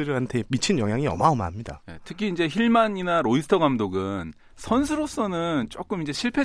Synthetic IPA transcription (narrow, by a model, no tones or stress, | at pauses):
ɯɾɯantʰe̞mit͡ɕʰinjʌŋɦjaŋiʌmaoma̰mɲida̰jetʰɯkʰiːnd͡ʑe̞çiɭmaɲinaɾoisʰtʰʌɡamdoɡɯn | sʰʌns̬ʰɯɾos͈ʌnɯnt͡ɕ͈ok͈ɯmind͡ʑe̞ɕʰiɭpʰe̞